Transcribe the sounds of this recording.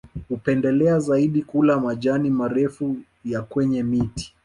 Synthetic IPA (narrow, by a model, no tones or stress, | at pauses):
hupɛndɛlɛazaiɗikulamaʄanimaɾɛfu | jakwɛɲɛmiti̥